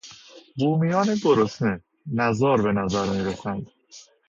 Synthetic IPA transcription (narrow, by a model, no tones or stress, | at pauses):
buːmijɒːned̪oɾosne | næzɒːɾbe̞næzæɾmiːɾoxænd̪